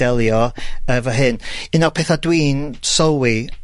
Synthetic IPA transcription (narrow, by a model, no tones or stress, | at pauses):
ɛlˠjɔəvɔɦɨnɨnɔpʰeːθadwiːnsɔwi